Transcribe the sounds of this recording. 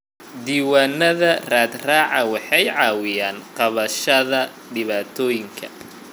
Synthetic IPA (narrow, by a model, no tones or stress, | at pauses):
d̪iːwaːnːɐðɐraːd̪raːʕɑwɑħɑjʕɑːwɪjaːnqɑβɐʃɐðɐ | ɖɪβaːt̪ʰɔːjɪŋkʰɐ